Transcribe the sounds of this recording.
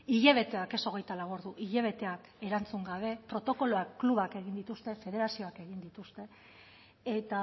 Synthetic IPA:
iʎeβ̞e̞t̪e̞ake̞so̞ɣ̞e̞jt̪alaβ̞oɾðuʔiʎeβ̞e̞t̪e̞ake̞ɾant͡suŋɡaβ̞e̞pɾo̞t̪o̞ko̞lo̞akːluβake̞ɣ̞ind̪it̪ust̪e̞fe̞ð̞e̞ɾasio̞ake̞ɣ̞ind̪it̪ust̪e̞ | et̪a

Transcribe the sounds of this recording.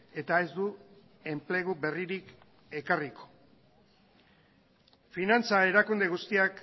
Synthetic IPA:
e̞t̪ae̞zd̪u | e̞mple̞ɣ̞uβe̞riɾik | e̞kariko̥ | finant͡sae̞ɾakund̪e̞ɣust̪iak

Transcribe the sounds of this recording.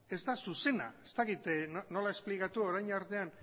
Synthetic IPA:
e̞zd̪asuse̞na̰est̪akit̪nono̞laesplikat̪uo̞ɾajɲaɾt̪e̞an

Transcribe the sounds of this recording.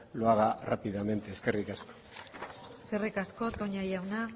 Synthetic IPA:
loaɣarapiðame̞nt̪e̞ːske̞rikasko̥ | eske̞rikasko̞t̪o̞ɲajawna

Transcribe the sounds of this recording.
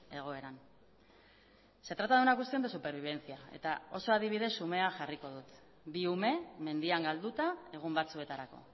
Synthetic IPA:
e̞ɣ̞o̞e̞ɾan | se̞t̪ɾat̪aðunakust̪ind̪esupe̞ɾβ̞iβ̞e̞nt͡siae̞̰t̪ao̞so̞að̞iβ̞iðe̞sume̞aʝariko̞ðut̪ | biume̞me̞nd̪iaŋɡald̪ut̪ae̞ɣ̞umbat͡sue̞t̪aɾako̞̰

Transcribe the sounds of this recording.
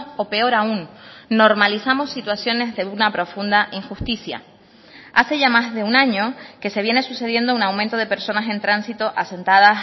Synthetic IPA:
o̞pe̞o̞ɾaunːo̞ɾmalisamo̞sːit̪wasjo̞ne̞zðe̞unapɾo̞fund̪aʔiŋxust̪isja̰ | a̰se̞ʝamazðe̞unãɲo̞ke̞se̞βje̞ne̞suse̞ð̞je̞nd̪ounawmẽnt̪o̞ð̞e̞pe̞ɾso̞nase̞nt̪ɾansit̪o̞ʔase̞nt̪aða

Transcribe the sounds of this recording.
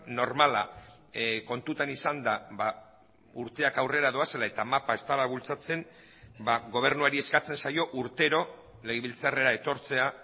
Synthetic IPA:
no̞ɾmala̰ | ko̞nt̪ut̪anisand̪aba | uɾt̪e̞akawre̞ɾaðo̞ase̞lae̞t̪amapae̞st̪alaβult͡sat͡se̞n | baɣo̞β̞e̞ɾnuaɾie̞skat͡se̞nsajo̞ʔuɾt̪e̞ɾo̞ | le̞ɣeβilt͡sare̞ɾae̞t̪o̞ɾt͡se̞a

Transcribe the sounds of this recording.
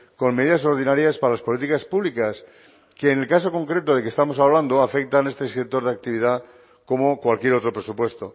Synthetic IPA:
ko̞nme̞ðiðas̬o̞ɾð̞inaɾjaspaɾalaspo̞lit̪ikaspuβlikas | ke̞ːne̞lkaso̞ko̞ŋkɾe̞t̪oðe̞kest̪amo̞s̬aβ̞land̪oafe̞k̚t̪ane̞st̪e̞iset̪o̞ɾðeak̚t̪iβiða | ko̞mo̞kwalkjeɾo̞t̪ɾo̞pɾe̞supwe̞st̪o̞

